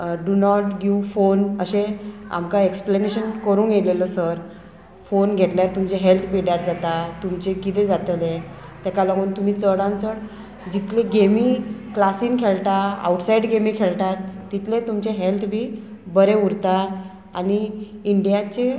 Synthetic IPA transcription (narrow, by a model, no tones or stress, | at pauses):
ɖunɔʈɡiʋfonəɕẽa̰mkaekspleneɕənkəɾũːnjeleləsəɾ | fonɡʱeʈljaɾt̪umt͡ɕeɦelt̪ʰbeɽjaɾd͡zat̪at̪umt͡ɕekit̪ẽd͡zat̪le | t̪ɛkalɔɡuːnt̪um̤iːt͡səɽãnt͡səɽ | d͡ʑit̪lẽɡemiːklasiːnkʰeɭt̪aa̰wʈsaiɖɡemiːkʰeɭʈat̪ːit̪let̪umt͡ɕeɦelt̪ʰbʱiː | bəɾeuɽt̪a | a̰niiɳɖijat͡ɕe